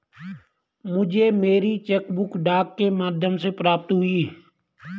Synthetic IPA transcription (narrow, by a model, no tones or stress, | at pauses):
mʊd͡ʒʱeːmeːɾit͡ʃɛːkbʊkɖaːkːemaːd̪ʱjəmseːpɾaːp̚t̪ɦʊiː